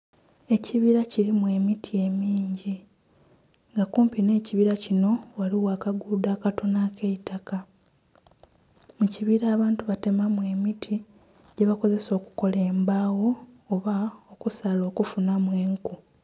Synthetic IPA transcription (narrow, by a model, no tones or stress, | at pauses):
e̞ciβiɾaciɾimwe̞mitʰie̞miːɲɟi | ŋɡakuːmpine̞ːciβiɾacino̞waliwaːkaɡudaːkato̞nake̞itaka | muciβiɾaːβaːntuβate̞mamwe̞mitʰi | ɟe̞βako̞ze̞so̞ːku̥ko̞le̞ːmbaːwo̞ːβaokusalo̞ːkufunamwe̞ːŋku